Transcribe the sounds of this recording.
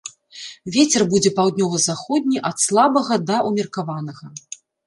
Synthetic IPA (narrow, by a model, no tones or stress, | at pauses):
vʲet͡sʲɛrbud͡zʲɛpawd̪ʲnʲɔvɐzaxɔd̪̚ʲnʲiʔɐt̪slˠabɐɣɐd̪ɐʔumʲirkavanɐɣɐ